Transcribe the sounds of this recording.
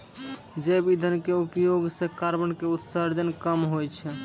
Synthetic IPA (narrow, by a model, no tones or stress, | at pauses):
d͡ʒebid̪ʱənkeupjoɡsekaɾbəɳkeut̪saɾd͡ʒənkəmɦojt͡ʃʰɛ